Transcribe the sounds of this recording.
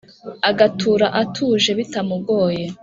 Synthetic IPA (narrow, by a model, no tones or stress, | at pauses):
aɡatuːɾaʔatʰuʒe̞βitamuɡo̞ːje